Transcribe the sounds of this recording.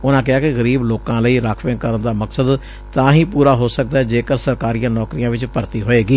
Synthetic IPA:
ʊnãːkɪaːkɪɣəɾiːbloːkãːləiːɾaːkʰʋẽːkəɾənd̪aːməksəd̪ | t̪ãːɦĩːpuːɾaːɦoːsək̚d̪aːɛːd͡ʒeːkəɾsəɾkaːɾijãːnɔːkɾijãːʋɪt͡ʃpəɾt̪iːɦoːeːɡiː

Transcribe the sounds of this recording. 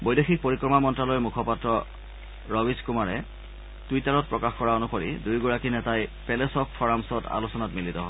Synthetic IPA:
bojdexʰik̚poɹikɹɔmamɔntɹalojmukʰɔpatɹɔ | ɹɔbiskumaɹɛ | twitaɹɔt̚pɹɔkaxkɔɹaonukoɹḭdujɡuɹakinɛtajpɛlesɔkfʰɔɹamsɔta̰lusɔnatmilitɔɦɔ

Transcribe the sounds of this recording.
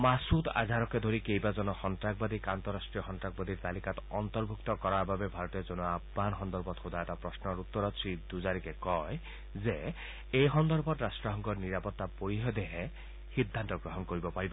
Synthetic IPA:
masut̪a̰d̪ʱaɾɔkɛd̪ʱoɾikejbazɔnɔxɔntɹakbad̪ikant̪ɔɾasʈɹiɔxɔntɹak̚bad̪iɹt̪alikat̪ɔnt̪ɔɹbʱukt̪ɔkɔɹaɹbabɛbʱaɹɔt̪ɔzɔnɔabmanxɔnd̪ɔɾbɔt̪xud̪ajɛtapɹɔsnɔɹut̪ːɔɾɔt̪sɹid̪uzaɾikɛkɔj | ze | ejxɔnd̪ɔɾbɔtɾasʈɹɔɦɔŋɡɔɹniɹapɔt̪ːapoɹiɦɔd̪eɦɛ | xid̪ʱːant̪ɔɡɹɔɦɔnkoɹibɔpaɹibɔ

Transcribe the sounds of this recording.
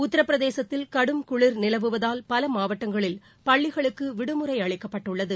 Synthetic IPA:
ʊt̪ːɐɾɐpːɾɐðeːsɐt̪ːɪlkɐɽɯmkʊɭɪɾnɪlɐʋɯʋɐðaːlpɐlɐmaːʋɐʈːɐŋɡɐɭɪl | pɐɭːɪɣɐɭɯkːɯʋɪɽɯmɯɾɐɪɐɭɪkːɐpːɐʈːɯɭːɐðɯ

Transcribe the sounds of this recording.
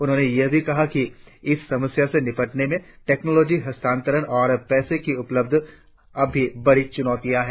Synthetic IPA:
ʊnɦõːnejɐɦbʱikɐɦakiɪsːɐməsjasenɪpəʈnemẽ | ʈeːknoːlɔːd͡ʒiɦɐst̪ʰãːnt̪əɾənɔːɾpɛːsekiʊpləb̚d̪ʱ | ɐbʱːibɐɽit͡ʃʊnɔːt̪ijaɦɛː

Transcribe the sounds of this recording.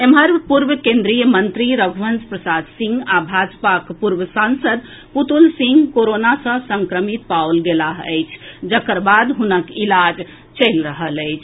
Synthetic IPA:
emɦəɾpuɾbəkẽnd̪ɾijəmənt̪ɾiɾəɡʱʋənspɾəsad̪ʱsĩŋɡabʱad͡ʒpakpuɾbəsãnsəd̪ | put̪ulsĩŋɡkoɾonasə̃səŋkɾəmit̪pawlɡelaɦə̰jt͡ʃʰd͡ʒəkəɾbad̪ɦunəkilad͡ʒ | t͡ʃəjlɾəɦələjt͡ʃʰ

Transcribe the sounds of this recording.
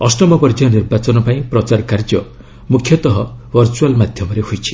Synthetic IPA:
ɔsɔmɔpɔɾd͡ʒɔniɾbat͡ʃɔnɔpaĩpɾɔt͡ʃaɾkaɾd͡ʒɔ | mukʰːjɔt̪ɔɦɔbʱɔɾt͡ʃualmad̪ʱjɔmɔɾehojt͡ʃʰi̥

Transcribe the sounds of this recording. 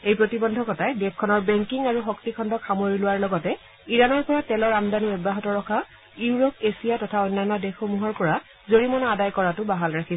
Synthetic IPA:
ejpɹotibɔndʱɔkɔtajdɛp̚ʰkʰɔnɔɹbɛŋkiŋaɹuxoktikʰɔndɔkʰamoɹilʊwaɹlɔɡɔtɛ | iɹanɔɹpɔɹatɛlɔɹamdaniɔbaɦɔtɔɹɔkʰa | uɹɔkesijatɔtʰaɔjnːanɔdexomuɦɔɹpɔɹa | zoɹimɔnɔadajkɔɹatʊbaɦalɹakʰi

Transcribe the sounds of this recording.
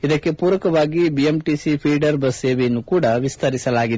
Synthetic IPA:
id̪ɐkːe̞puːɾɐkɐʋaːɡibiemʈisipʰiːɖɐɾbɐsːeːʋejɐnːukuːɽɐʋist̪ʰɐɾisɐlaːɡid̪

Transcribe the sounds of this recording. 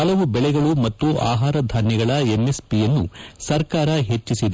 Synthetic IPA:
ɐlɐʋubɛɭɛɡɐɭumɐt̪ːua̰ːɦaːɾɐd̪ʱaːnjɛɡɐɭɐemːe̞spijɐnːṵsɐɾkaːɾɐɦe̞t͡ʃːisid̪

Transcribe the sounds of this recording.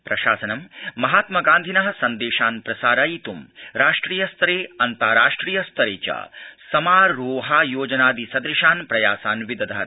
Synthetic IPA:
pɾɐʃaːsɐnɐmmɐɦaːt̪mɐɡaːnd̪ʱinɐɦɐsɐnd̪eːʃaːnpɾɐsaːɾaːjit̪umɾaːʂʈɾiːjɐst̪ɐɾeːɐnt̪aːɾaːʂʈɾiːjɐst̪ʰɐɾeːt͡ʃa̰ːsɐmaːɾoːɦaːjoːd͡ʒɐnaːd̪isɐd̪ɾiʃaːnpɾɐjaːsaːnʋid̪ɐd̪ɐɦɐ

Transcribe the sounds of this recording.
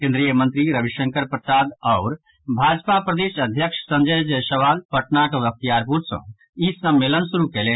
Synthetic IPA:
kẽnd̪ɾijəmənt̪ɾiɾəbiʃəŋkəɾpɾəsad̪ɔʊɾ | bʱad͡ʒpapɾəd̪eʃəd̪ʱjəkʂsə̃nd͡ʒəjd͡ʒsəʋalpəʈnaʈʋək̚t̪ijaɾpuɾsə̰̃ | isəmːelənsuɾukɛle

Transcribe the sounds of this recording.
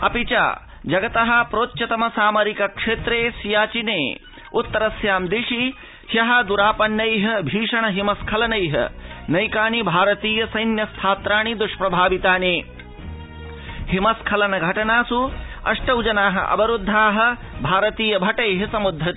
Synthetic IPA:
ɐpit͡ʃa̰ː | d͡ʒɐɡɐt̪ɐɦɐ̆pɾoːtːt͡ʃːɐt̪ɐmɐsaːmɐɾikɐkʂeːt̪ɾeːsjaːt͡ʃinḛː | ut̪ːɐɾɐsjaːmd̪iʂi | hjɐɦɐd̪uɾaːpɐnːɐjɦɐ̆bʱiːʂɐɳɐɦimɐskʰɐlɐnɐjɦɐ̰nɐjkaːnibʱaːɾɐt̪iːjɐsɐjnjɐst̪ʰaːt̪ɾaːɳid̪uʂpɾɐbʱaːʋit̪aːneː | himɐskʰɐlɐnɐɡʱɐʈɐnaːsuɐ̰ʂʈɐwd͡ʒɐnaːɦɐ̰ʔɐ̰bɐɾud̪ʱːaːɦɐ̆ | bʱaːɾɐt̪iːjɐbʱɐʈɐjɦɐsɐmud̪ʱːɾɐt̪

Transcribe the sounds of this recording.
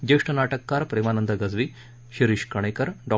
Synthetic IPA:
d͡ʑeʂʈənaʈəkːaːɾpɾemanənd̪əɡɐd͡zʋi | ɕiɾiɕkɐɽ̃ekəɾɖɔ

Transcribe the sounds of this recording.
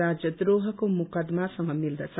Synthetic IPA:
ad͡zjʌd̪roɦʌkomukʌd̪masʌŋʌmild̪ʌt͡sʰ

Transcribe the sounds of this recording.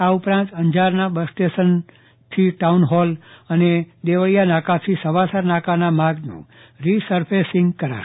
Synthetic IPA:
aupɾãnt̪əɲd͡ʒaɾnabəsʈesən | t̪ʰiʈaunɦɔləned̪eʋəɭjanakat̪ʰisəʋasəɾnakanamaɡnṵ̃ | ɾisəɾpʰesɪ̃ŋɡkəɾa̰ʃ

